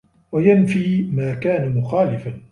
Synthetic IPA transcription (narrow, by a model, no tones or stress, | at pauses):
wajanfiːmaːkaːnamʊxaːlɪfan